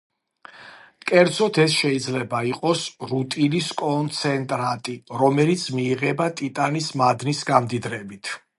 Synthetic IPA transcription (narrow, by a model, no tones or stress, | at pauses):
kʼɛɾd̪z̥ɔt̪ʰɛsʃɛid̪zlɛbaiqʼɔsɾut̪ʼiniskʼɔnt̪sʰɛnt̪ʼɾat̪ʼiɾɔmɛlit̪sʰmiːʁɛbat̪ʼit̪ʼanismad̪nisɡamd̪id̪ɾɛbit̪ʰ